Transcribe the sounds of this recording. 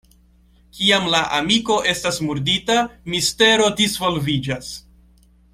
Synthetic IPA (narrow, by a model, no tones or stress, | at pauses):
kiamlaʔamiko̞ʔe̞stasmuɾditamiste̞ɾo̞disvo̞lvid͡ʒas